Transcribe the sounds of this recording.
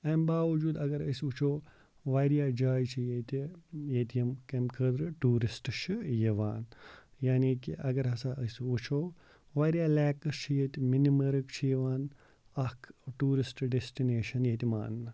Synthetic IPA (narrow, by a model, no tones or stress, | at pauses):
ɐːmbaːʋɐd͡ʒuːd̪ɐɡɐɾɐ̰sut͡ʃʰoː | ʋaːɾijaːd͡ʒaːjt͡ʃʰijet̪ʲijet̪jɐmkɐmkʰəd̪ɾɨʈuːɾisʈt͡ʃʰɨjeʋa̰ːnjaːniːkḭʔɐɡɐɾɐsaːʔɐsut͡ʃʰoː | ʋaːɾijaːlɛːkɐst͡ʃʰijet̪iminimɐɾɨkt͡ʃʰijeʋaːn | ɐkʰʈuːɾisʈɖesʈineːʃɐnjet̪ʲima̰ːnːɨ